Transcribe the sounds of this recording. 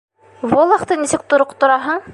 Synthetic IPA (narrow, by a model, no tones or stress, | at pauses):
volˠɑχt̪ɤnisɘk̚t̪ŏɾoqt̪ŏɾɑɦɤɴ